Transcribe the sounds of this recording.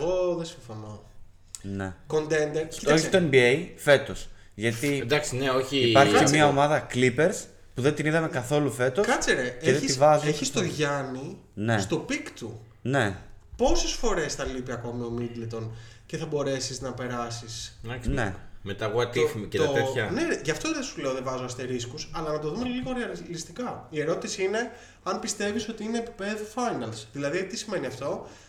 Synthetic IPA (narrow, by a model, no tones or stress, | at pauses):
ɣo̞ðesiɱfo̞no | nḛko̞nt̪end̪eɾci̥oççi̥t̪oembiejfe̞t̪o̞s | ʝɐt̪id̪ɐksineo̞çiipɐɾçiemɲɐomɐðɐklipe̞ɾs | puðe̞nt̪iniðɐme̞kɐθo̞lufe̞t̪o̞skɐt͡seɾeeðeisivɐzeçist̪oʝɐni | nest̪o̞pikt̪u | ne̞po̞sesfo̞ɾe̞sθɐlipiɐko̞mio̞mid̪let̪o̞n | ce̞θɐbo̞ɾe̞siznɐpe̞ɾɐsisɐsnḛmet̪ɐɣoɐt̪ifmiteoeçɐneʝɐft̪o̞ðesule̞oðevɐzoɐst̪eɾiskusɐlɐnɐt̪oðumeliɣo̞ɾeɐllist̪ikɐie̞ɾo̞t̪isiine̞ | ɐnpist̪e̞viso̞t̪iineːpi̥pe̞ðufɐjnɐlsðilɐðiɐit̪isime̞niɐft̪o̞